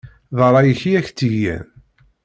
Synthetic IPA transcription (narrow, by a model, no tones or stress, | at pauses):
ðˤəɾˤɑjəçiæçt͡sːiʝːæ̰n